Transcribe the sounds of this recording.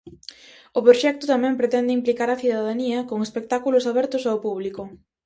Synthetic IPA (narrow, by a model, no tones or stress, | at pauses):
ʊpɾoʃɛk̚t̪ʊt̪amɛ̃mpɾet̪ɛnd̪ɪimplikaɾɐθiðaðaniɐkoŋespek̚t̪akulʊsaβɛɾt̪ʊsawpuβlikʊ